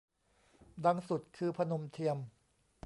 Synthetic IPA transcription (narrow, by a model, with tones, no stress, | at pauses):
da˧ŋsu˨˩t̪̚kʰɯː˧pʰa˧no˧mt̪ʰi˧əm